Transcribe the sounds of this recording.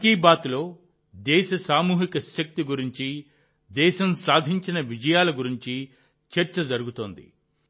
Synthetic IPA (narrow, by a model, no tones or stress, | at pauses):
ɐkiːbaːt̪lo̞ː | d̪ɛːʃɐsaːmuːɦikɐʃɐk̚t̪iɡuɾiɲt͡ʃi | d̪ɛːʃɐmsaːd̪ʱiɲt͡ʃinɐʋid͡ʒɐjaːlɐɡuɾiɲt͡ʃi | t͡ʃɐɾt͡ʃɐd͡ʒɐɾuɡut̪o̞ːnd̪ḭ